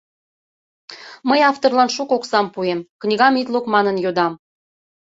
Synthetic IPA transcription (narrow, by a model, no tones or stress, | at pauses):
məjɑft̪orlɑnʃukoksɑmpuemknʲiɣɑmit̪lukmɑnənjod̪ɑm